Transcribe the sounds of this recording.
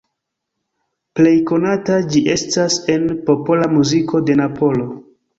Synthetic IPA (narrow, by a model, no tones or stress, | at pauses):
ple̞jko̞natad͡ʒiʔe̞stase̞npo̞polamuzikʰo̞de̞napo̞lo̞